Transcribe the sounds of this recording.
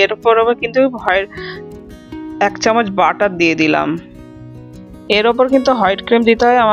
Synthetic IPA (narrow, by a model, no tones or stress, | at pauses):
eɾpoɾoboɾkint̪ubʱɔeɾ | ɛkt͡ɕɔmod͡ʑbaʈat̪̚d̪ied̪ila̰m | eɾop̬oɾkint̪uɦɔjɖkɾimd̪it̪eɦɔeama